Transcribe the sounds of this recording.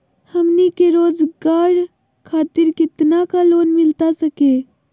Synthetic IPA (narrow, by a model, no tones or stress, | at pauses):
həmnikeɾoːd͡ʒɡaːɽ | kʰaːt̪ɪɾkɪt̪nakaloːnmɪlt̪asəke